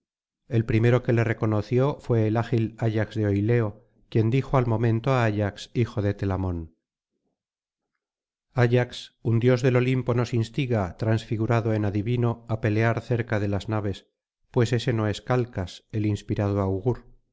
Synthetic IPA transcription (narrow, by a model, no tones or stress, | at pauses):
e̞lpɾime̞ɾo̞ke̞le̞re̞ko̞noθjo̞fwe̞ːlaxilaʎakzðeo̞jle̞o̞ | kje̞nd̪ixoalmõ̞mẽ̞nt̪oaaʎaksixo̞ðe̞t̪e̞lamõ̞n | aʝaksund̪jo̞zðe̞lo̞limpo̞no̞sinst̪iɣat̪ɾansfiɣuɾaðoe̞naðiβino̞ape̞le̞aɾθe̞ɾkaðe̞laznaβ̞e̞s | pwe̞se̞se̞no̞e̞skalkase̞linspiɾaðoawɣuɾ